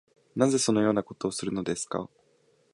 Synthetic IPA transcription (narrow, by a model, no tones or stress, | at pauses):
naze̞so̞no̞jo̞ːnako̞t̪o̞ːsɨɾɯ̟no̞d̪e̞sɨ̥ka̰